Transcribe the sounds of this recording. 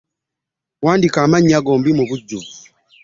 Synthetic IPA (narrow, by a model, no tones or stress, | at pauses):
waːndikaːmaɲiaɡoːmbimuβuɟːuvu